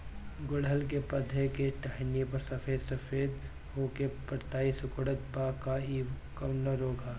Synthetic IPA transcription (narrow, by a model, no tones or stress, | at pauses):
ɡʊɽəlkepɐd̪ʱekeʈaɦnepɐɾsɐfeːd̪sɐfʰeːd̪ | ɦoːkepəɾt̪aːisʊkɽət̪̚pakaiː | kɐwnəɾoːɡʱaː